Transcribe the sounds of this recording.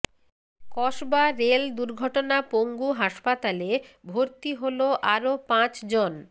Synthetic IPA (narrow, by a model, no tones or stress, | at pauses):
kɔʃbaɾeld̪uɾɡʱɔʈonapoŋɡuɦaʃpat̪alebʱoɾt̪iɦoloʔaɾopãt͡ɕd͡ʑon